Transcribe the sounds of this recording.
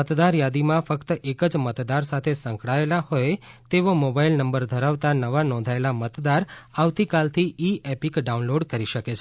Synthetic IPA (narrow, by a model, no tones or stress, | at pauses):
ət̪d̪aɾjad̪imãfəkt̪əʔekəd͡ʒmət̪d̪aɾsat̪ʰesə̃ŋkɽɭaelahoet̪eʋomobailnəmbəɾd̪ʱəɾaʋt̪anəʋanɔ̃nd̪ʱaelamət̪d̪aɾaʋt̪ikalt̪ʰiiɛpikɖaunloɖkəɾiʃəket͡ʃʰ